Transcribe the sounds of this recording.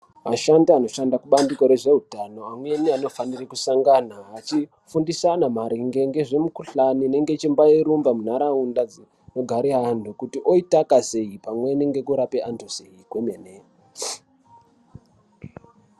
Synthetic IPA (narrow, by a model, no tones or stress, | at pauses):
ma̰ʃandiano̞ʃandakuɓandiko̞ɾe̞ʐe̞ɦutano̞amwe̞niano̞fanirikusaŋɡanaɦat͡ʃi | fundisanamaɾiŋɡe̞ŋɡe̞ʐe̞mukuɬanine̞ŋɡe̞t͡ʃimbajeɾumbamun̤aɾaundad͡zi | no̞ɡʱaɾiɦandʱukutiʔoitakase̞ipamwe̞niŋɡe̞kuɾapeʔantoseikwemene